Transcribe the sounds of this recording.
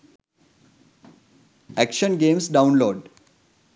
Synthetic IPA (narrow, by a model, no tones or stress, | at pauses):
ækʃənɡeːmsɖãʊ̃nloːɖ